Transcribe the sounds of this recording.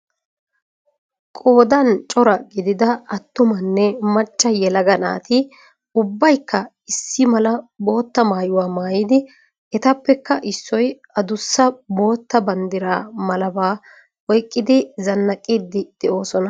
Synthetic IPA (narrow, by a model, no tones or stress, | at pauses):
kʼo̞ːd̪ɐnt͡ʃʼɔɾɐɡɪd̪ɪd̪ɐɐt̪ːʊmɐnːɛmɐt͡ʃʼːɐjɛlɐɡɐna̰ːt̪ɪ | ʊbːɐjkːɐ | ɪsːɪmɐlɐbo̞ːt̪ːɐmaːjʊwaːmaːjid̪ɪ | ɛt̪ɐpːɛkːɐʔɪsːɔj | ɐd̪ʊsːɐbo̞ːt̪ːɐbɐnd̪ɪɾaːmɐlɐbaː | ɔjkʼːɪd̪ɪzɐnːɐkʼːiːd̪ːɪd̪̥ɛʔo̞ːsɔnɐ